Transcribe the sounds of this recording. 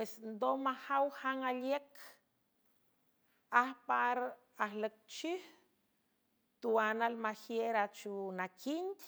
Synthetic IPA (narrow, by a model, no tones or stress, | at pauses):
pesnd̪omahawhaŋalekʰ | ahpaɾ | ahlək̚t͡ʃih | t̪uanalmahjeɾat͡ʃunakʰint̪